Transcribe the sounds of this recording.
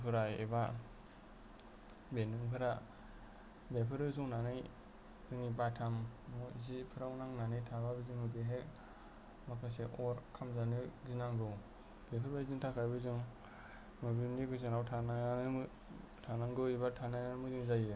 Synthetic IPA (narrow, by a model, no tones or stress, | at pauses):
pʰɯɾajḛba | benɯŋpʰɯɾa | bepʰɯɾɯzuŋnanɯj | kɯŋipatʰamuzipʰɯɾawnaŋnanɯjtʰababɯzɯŋmɯbeɦek | makʰas̬eʔɔɾkʰamzanɯzinaŋɡɯw | b̥epʰɯɾbaziŋtʰakʰajbɯzɯŋ | mɯbinikʰɯz̬ɯŋɾawtʰann | tʰanaŋɡɯibatʰanajnamɯzɯŋzajɯ